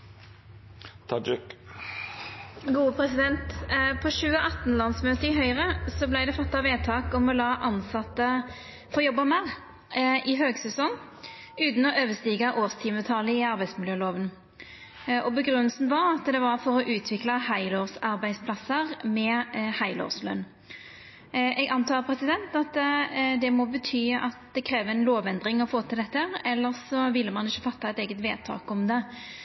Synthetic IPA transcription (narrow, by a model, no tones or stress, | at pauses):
t̪ʰɑd͡ʒɪk | ɡuːəpʰʁɛsɪd̪ɛnt̪pʰɔʃʉːəʔɑt̪nlɑnsmøːt̪əɾɪɦœʏʁəsɔblæɪd̪ɛfɔt̪ːɑʋeːt̪ʰɑːkɔmɔlɑːʔɑnsɑt̪ːə | fɔjɔbːɑmæʁ | ʔɪɦøːɡsɛsɔŋ | ʉːt̪n̩ɔʔøːʋəst̪iːɡɑʔoːʁst̪ʰiːmət̪ʰɑːləɪɑɾbæɪsmɪljøːloːʋən | ʔɔbəɡʁʉnːəlsn̩ʋɑʁɑt̪d̪ɛʋɑʁfɔʁɔʔʉːt̪ʰʋɪklɑhæɪloːʁsɑɾbæɪspʰlɑsəʁmɛhæɪlo̰ːʁslœ̰nː | ʔɛɡɑnt̪ʰɑːpʰɾɛsɪd̪ɛnt̪ɑt̪d̪ɛmɔbət̪ʰyːɑt̪d̪ɛkʰɾeːʋəɛnloːʋɛnd̪ʁɪŋɔfoːt̪ʰɪlɛt̪ːəæːʁɛlːəʁsɔʋɪlːəmɑnɪçːəfɑt̪ːɑɛt̪eːɡət̪ʋeːd̪̚t̪ʰɑ̰ːkɔmd̪ɛ